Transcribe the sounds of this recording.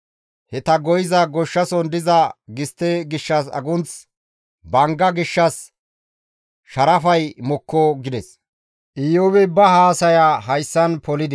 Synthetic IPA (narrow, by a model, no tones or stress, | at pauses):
hɛt̪ɐɡɔjɪzɐɡɔʃːɐsɔnd̪ɪzɐɡɪst̪ːeɡɪʃːɐsɐ̰ɡʊnt͡s | bɐŋɡɐɡɪʃːɐs | ʃɐɾɐfɐjmɔkʰːɔɡɪd̪ɛs | ʔɪjowɛbɐɦaːsɐjaɦɐjsːɐnpɔlɪd̪ɛ